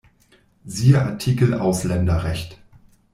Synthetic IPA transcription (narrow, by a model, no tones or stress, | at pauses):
ziːəʔatʰikl̩ʔa̰ʊslɛndɐʁɛçt